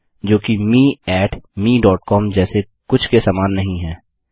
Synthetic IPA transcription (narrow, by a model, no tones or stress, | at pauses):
d͡ʒoːkimiːɛːʈmiːɖɔːʈ̚kɔːmd͡ʒɛːse | kʊt͡ʃʰkesaːmaːnːɐɦĩɦɛː